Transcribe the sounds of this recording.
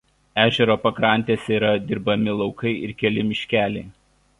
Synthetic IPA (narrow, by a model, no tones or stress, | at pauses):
æːʒʲɛɾoːpɐkɾɐˑnʲt̪ʲeːsʲɛiːɾɐd̪ʲɪɾbɐmʲɪlˠɒʊkɐɪɪɾkʲɛlʲɪmʲɪʃʲkʲæːlʲɛɪ